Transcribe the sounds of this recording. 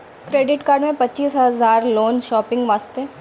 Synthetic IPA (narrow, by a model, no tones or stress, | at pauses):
kɾeːɖɪʈkaːɾɖmẽpɐtːt͡ʃiːsɦɐzaːɾloːnʃɔːpɪ̃ŋɡʋaːst̪eː